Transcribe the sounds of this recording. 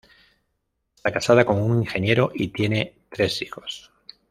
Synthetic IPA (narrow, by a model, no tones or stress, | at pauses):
eest̪akasað̞ako̞ŋuŋiŋxe̞nje̞ɾoʔit̪je̞ne̞t̪ɾe̞sixo̞s